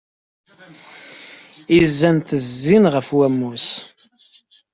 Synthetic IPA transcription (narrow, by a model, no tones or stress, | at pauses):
izːænt̪əzːinʁəfwæmːus